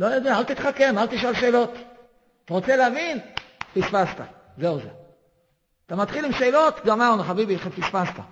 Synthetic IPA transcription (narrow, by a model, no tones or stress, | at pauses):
lojad̪eaalt̪it̪χake̞malt̪iʃalʃeːlo̞t̪ | at̪aʁot͡seleavinfisfast̪a̰ | zeuze | at̪amat̪χilimʃe̞ːlo̞t̪ɡamaʁnaχabibiχefisfast̪a̰